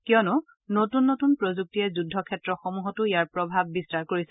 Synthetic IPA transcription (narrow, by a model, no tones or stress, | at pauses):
kiɔnʊ | notunːotunpɹozuk̚tiɛzudʱːɔkʰɛtɹɔxomuɦɔtʊijaɹpɹɔbʱab̚ːistaɹkoɹisɛ